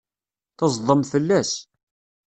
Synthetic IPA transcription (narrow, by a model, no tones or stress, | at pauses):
θɑzˤðˤəmθəlːæs